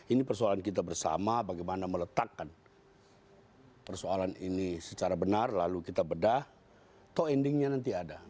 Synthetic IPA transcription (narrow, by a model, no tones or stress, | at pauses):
inipərsoalankit̪̬abərsa̰mabaɡajmanamələt̪akːan | pərsoalaninisət͡ʃaɾabənarlalukit̪abədah | t̪oɛndɪŋɲanant̪iada